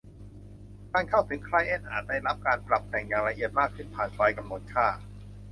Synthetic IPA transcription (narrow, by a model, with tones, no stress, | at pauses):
kaː˧nkʰa˥˩wt̪ʰɯ˩˦ŋkʰɾa˧jʔe˧nʔaː˨˩t̪̚daː˥˩jɾa˦˥p̚kaː˧npɾa˨˩p̚t̪ɛ˨˩ŋjaː˨˩ŋla˧ʔi˨˩ət̪̚maː˥˩kʰːɯ˥˩npʰaː˨˩nkʰɾa˧˥jka˧mnoː˧n̚kʰaː˥˩